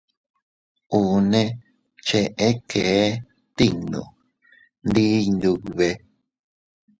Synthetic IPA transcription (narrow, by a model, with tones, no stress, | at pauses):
u˨nẽ˦ | t͡ʃe˧ʔe˦kʰe˨˦ | t̪i˦nṵ̃˨ | nd̪i˦nd̪u˧βe˧